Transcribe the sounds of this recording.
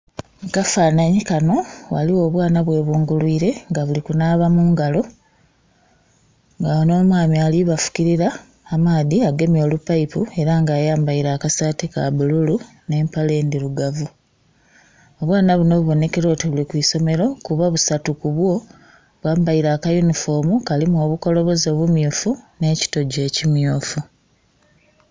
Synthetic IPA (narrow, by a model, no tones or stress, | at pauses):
kafaːnaɲikano̞wa̰liwo̞ːβwaːnaβwe̞ːβuːŋɡulwiːɾe̞ŋɡaβulikunaːβamuːŋɡalo̞ | ŋɡaono̞ːmwaːmiaːliβafu̥kiɾiɾaː | maːðiaɡe̞mjo̞ːlupːaipue̞ɾaŋɡaːjaːmbaiɾaːkasateka̰βululu | ne̞ːmpale̞ːndiɾuɡavu | oβwaːnaβuno̞βuβo̞ne̞keɾo̞ːtiβulikwiːso̞me̞ɾo̞kuβaβusatukuβwo̞ | βwaːmbaiɾaːkajunifo̞ːmukalimuo̞ːβuko̞lo̞βo̞zo̞ːβumjuːfune̞ːci̥to̞ɟe̞ːcimjuːfu